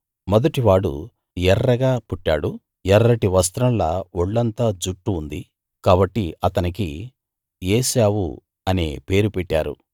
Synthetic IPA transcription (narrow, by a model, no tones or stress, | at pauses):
mɐd̪ɐʈiʋaːɽṵ | jɛɾːɐɡaːpuʈːa̰ːɽu | jɛɾːɐʈiʋɐs̬t̪ɾɐmlɐoɭːɐnt̪aːd͡ʒuʈːuːnd̪i | kaːbɐʈːiɐt̪ɐniki | jeːsaːwṵ | ɐnḛːpe̞ːɾupɛʈːa̰ːɾṵ